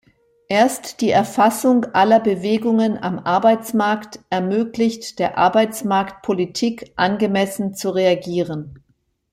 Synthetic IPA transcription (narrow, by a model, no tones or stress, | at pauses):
ʔeːɐstd̥iːʔɛɐfasʊŋʔalɐbəveːɡʊŋəna̰mʔaɐbaɪt͡smaɐktʔɛɐmøːklɪçtd̥eːɐʔa̰ɐbaɪt͡smaɐkt̚pʰolitʰiːkʔanɡəmɛsn̩t͡suʁeaɡiːʁən